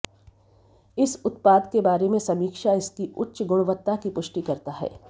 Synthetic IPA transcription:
ɪsʊt̪paːd̪kebaːɾemẽsɐmiːkʃaɪskiʊtːʃɡʊɽ̃ʋət̪ːakipʊʃʈikɐɾt̪aɦɛ̰ː

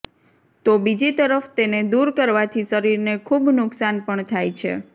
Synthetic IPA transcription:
t̪obid͡ʒit̪əɾəft̪ened̪uɾkəɾʋat̪ʰiʃəɾiɾnekʰubnʊksanpəɳt̪ʰajt͡ʃʰḛ

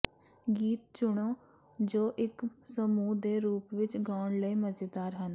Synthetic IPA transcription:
ɡiːt̪̚t͡ʃʊɽõː | d͡ʒoːʔɪksəmuːd̪eːɾuːpʋɪt͡ʃɡaːɳləiːməd͡ʒed̪aːɾɦən

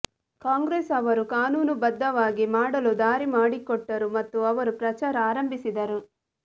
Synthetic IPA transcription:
kaːŋɡɾeːsɐʋɐɾukaːnuːnubɐd̪ːɐʋaːɡimaːɽɐlud̪aːɾimaːɽikɔʈːɐɾumɐt̪ːuɐʋɐɾupɾɐt͡ʃaːɾɐaːɾɐmbisid̪ɐɾu

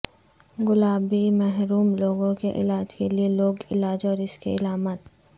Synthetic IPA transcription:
ɡʊlaːbimɛɦɾuːmloːɡõkeʔɪ̰laːd͡ʒkelieloːɡɪlaːd͡ʒɔːɾɪskḛɪlaːmət̪

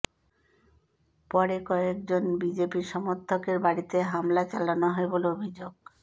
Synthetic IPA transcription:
pɔɾekɔek̚d͡ʑonbid͡ʑepiɾʃɔmoɾt̪ʰːokeɾbaɽit̪eɦamlat͡ɕalanoɦɔeboloobʱid͡ʑoɡ

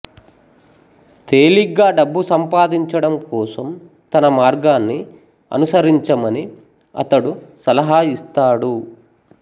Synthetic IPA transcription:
t̪eːliɡaːɖɐbːusɐmpaːd̪iɲt͡ʃɐɽɐmkɔːsɐm | t̪ɐnɐmaːɾɡaːnːi | ɐ̰nusɐɾiɲt͡ʃɐmɐni | ɐ̰t̪ɐɽusɐlɐɦaːist̪aːɽu

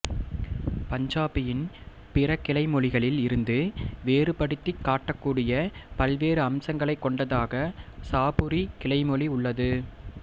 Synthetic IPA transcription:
pɐɲd͡ʒaːpɪjɪn | pɪrɐkːɪlɐɪmɔɭɪɣɐɭɪlɪɾɯnd̪ɯʋeːrɯpɐɽɯt̪ːɪkːaːʈːɐkːuːɽɪjɐpɐlʋeːɾɯɐmsɐŋɡɐɭɐɪkːɔɳɖɐðaːɣɐsaːpɯɾikɪlɐɪmɔɭiʊɭːɐðɯ

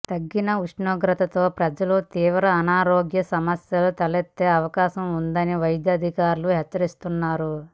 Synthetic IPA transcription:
t̪ɐɡːinɐuʂɳoːɡɾɐt̪ɐt̪o̞ːpɾɐd͡ʒɐlut̪iːʋɾɐːnaːɾoːɡjɐsɐmɐsjɐlut̪ɐlet̪ːeːɐʋɐkaːʃɐmund̪ɐniʋɐjɐd̪jɐːd̪ʱikaːɾuluɦɛt͡ʃːɐɾist̪unːaːɾu

